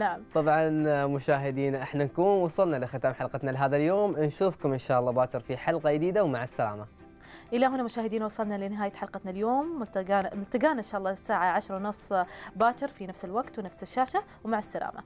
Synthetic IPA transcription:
naʕamt̪ˤɑbʕɑnmʊʃaːɦɪd̪iːnʔɪħnankuːnwɑsˤɑlnalɪxɪt̪aːmħalqɑt̪nalɪɦaːðaljoːmnʃuːfkʊmʔɪnʃaːʔɑlˤːɑːbaːt͡ʃɑɾˤfiħɑlqɑjd̪iːd̪awmaʕɪsːala̰ːma | ʔɪlːaɦʊnːamʊʃaːɦɪd̪iːnwɑsˤɑlnalɪnɪɦaːjaħɑlqɑt̪naljoːmːt̪ɡaːnmʊlt̪ɪɡaːnaʔɪnʃaːʔɑlˤːɑːsːaːʕaʕaʃɾˤwnʊsˤːbaːt͡ʃɪɾˤfinafsɪlwaɡt̪wnafsɪʃːaːʃawmaʕɪsːala̰ːma̰

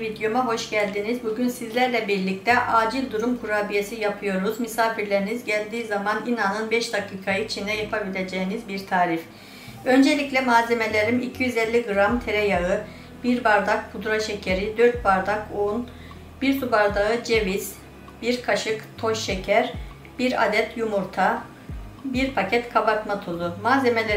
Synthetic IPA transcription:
vid̪jomaɦo̞ʃɟælʲd̪inizbuɟynsizlʲæɾlʲɛbiɾlʲic̚t̪ʰɛʔaːd͡ʒilʲd̪uɾumkʰuɾaːbijesijapʰɯjo̞ɾuzmysaːfiɾlʲeɾinizɟælʲd̪iːzamaninanɯnbɛʃd̪akiːkʰajɯt͡ʃʰind̪ɛjapʰabilʲe̞d͡ʒejinizbiɾt̪ʰaːɾif | ø̞nd͡ʒe̞lʲiclʲɛmaːzeme̞lʲe̞ɾimicʰijyzɛlʲːiɡɯɾamt̪ʰe̞ɾɛjaɯ | b̥iɾbaɾd̪ak̚bʰud̪ɾaʃecʰeɾid̪øɾt̪̚baɾd̪akun | b̥iɾsubaɾd̪aɯd͡ʒe̞viz̥ | b̥iɾkʰaʃɯkt̪ʰo̞ʃːecʰæɾ | b̥iɾa̰d̪ɛt̪ʰjumuɾt̪ʰa | biɾpʰacʰɛt̪kʰabakt̪mat̪ʰulˠumaːzemelʲe

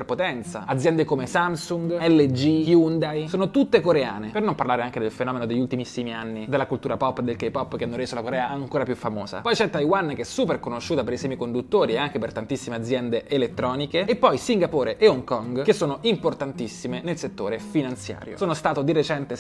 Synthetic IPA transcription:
perpot̪ɛnt̪sa̰ad̪zːjɛnd̪ekomesamsuŋɡɛlːed͡ʒijund̪ajsoːnot̪ut̪ːekoɾea̰ːnepernomparlaːɾeaŋk̟ed̪elfenɔːmenod̪eʎːult̪imisːimianːid̪elːakult̪uːɾapɔpːd̪ːelkejpɔpːk̟eanːoɾeːzolakoɾɛːaaŋkoːɾapjufːamoːza̰pɔjt͡ʃɛt̪ːajwanːkeɛsuːperkonoʃːuːt̪apeɾisɛːmikond̪ut̪ːoːɾiaŋk̟epert̪ant̪isːimead̪zjɛnd̪eʔelet̪ːɾɔːnikeepːɔjsiŋɡapoːɾeʔeoŋkɔŋɡkesːoːnoʔimport̪ant̪isːimenelset̪ːo̰ːɾefinant̪sja̰ːɾjo̰soːnost̪aːt̪od̪iret͡ʃɛnt̪e

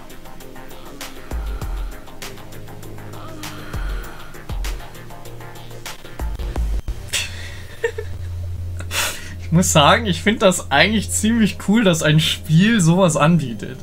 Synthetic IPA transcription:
ʔɪçmʊsz̥aːɡŋ̩ɪçfɪndəd̥asʔaɪɡŋ̩tlɪçt͡siːmlɪçkʰuːldasaɪnʃpiːlzoːvasʔanbiːtʰə̰t

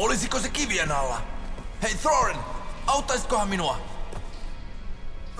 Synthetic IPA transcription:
olisikosekiʋiænɑlːɑ̰hejθroɹenɑut̪ːɑijsi̥t̪kohɑminuɑ

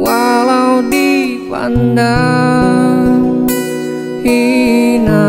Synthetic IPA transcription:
walaudi | pa̰nda | ŋ | hina

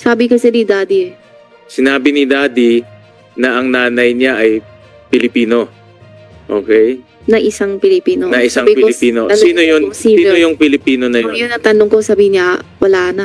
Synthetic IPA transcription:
saːbɪkɐsɛd̪id̪aːd̪i | sɪnaːbɪnɪd̪aːd̪i | nɐʔɐŋnaːnɐjɲaʔɐj | pɪlɪpiːno̞ | ʔo̰ːkɛj | nɐʔɪsaŋpɪlɪpiːnonɐʔɪsaŋbɪpɪlɪpiːnoɐsiːnojonsiːiːnojʊŋpɪlɪpiːnonɐjjʊnɐt̪ɐnoŋkosɐbiːɪnɲawʔɐlaːnɐ

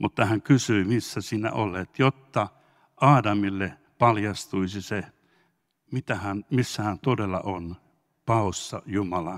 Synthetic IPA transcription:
mut̪ːɑhæŋkysyimisːæsiːnæ̰o̰let̪jot̪ːɑ | ʔɑːdɑmilːe | pɑljɑst̪uisise | mit̪æhænmisːæhænt̪odelːɑ̰ʔon | pɑˑosːɑjumɑlɑ

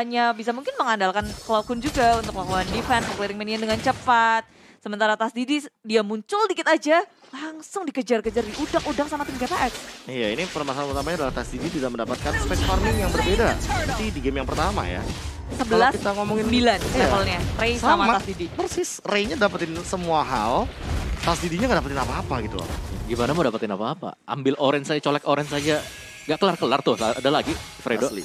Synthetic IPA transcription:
aɲabisamuŋkɪnməŋandalkanklokʊnd͡ʒuɡaunt̪ʊk̚lakoandifɛnfɔkliɾɪŋmɛniandəŋant͡ʃəpat̪̚ | səmənt̪aɾat̪asdididiamuɲt͡ʃʊldikɪt̪ad͡ʒa | laŋsʊŋdikəd͡ʒarkəd͡ʒardiʔudakudaksamat̪imɡap̪aʔɛt̪̚ijainipəɾmasapərt̪amaɲadalaht̪asdidit̪idaməndapat̪̚kanspɛt̪̚fɔrmɪŋjaŋbərbedanat̪idiɡɛmjaŋpərt̪ama̰ja̰ | səbəalaskit̪aŋomɔŋɪnbilanafəlɲarejsaamamaasdidimərsɪsrejɲadapat̪ɪnsəmuaɦalt̪asdidiɲaŋɡaʔdapat̪ɪnapaːpaɡit̪ulɔ̰hɡimanamadapat̪ɪnapaːpa̰ʔa̰mbɪlʔoɾɛnsad͡ʒat͡ʃolɛkoɾɛnsad͡ʒa | ŋɡaʔkəlarkəlart̪ʊhsaadalaɡi | fɾedolḭ

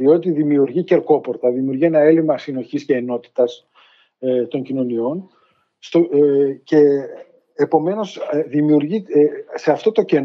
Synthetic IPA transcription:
io̞t̪iðimiuɾʝice̞ɾko̞po̞ɾt̪ɐðimiuɾʝie̞nɐe̞limɐsino̞çisceːno̞t̪i̥t̪ɐs | t̪o̞ɲcino̞nio̞n | st̪oce̞ː | po̞me̞no̞sðimiuɾʝise̞ɐft̪o̞t̪o̞ce̞n

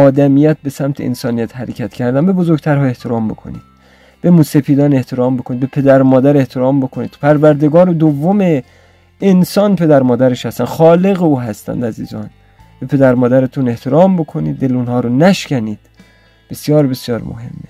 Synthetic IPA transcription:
ɒːd̪æmijæt̪̚be̞sæmt̪ʰeʔḛnsɒːnijæt̪hæɾecʰæt̪cʰæɾd̪æmbe̞bozoɾɡt̪ʰæɾhɒːe̞ht̪ʰeɾɒːmbo̞̰kʰo̞̰niːd̪̥ | b̥emuːsepiːd̪ɒːne̞ht̪ʰe̞ɾɒːmbokʰonid̪̚bepʰe̞d̪æɾmɒːd̪æɾe̞ht̪ʰe̞ɾɒːmbo̞kʰoniːd̪̥pʰæɾvæɾd̪eɡɒːɾod̪ovːomeː | nsɒːnpʰe̞d̪æɾmɒːd̪æɾeʃhæst̪ænxɒːle̞ɣeuːɦæst̪æ̰nd̪æziːzɒ̰ːn | b̥e̞pʰe̞d̪æɾmɒːd̪æɾet̪ʰune̞ht̪ʰeɾɒːmbokʰo̞niːd̪ːe̞luːnhɒːɾonæʃcæniːd̪̥ | b̥esjɒːɾbesjɒːɾmo̰ɦe̞̰mːe

